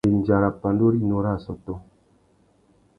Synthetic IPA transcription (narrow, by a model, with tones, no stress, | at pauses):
e˨n˦d͡ʒa˨ɾa˨pa˨ndo˦ɾi˦˨no˦ɾa˦˨sɔ˨tɔ˦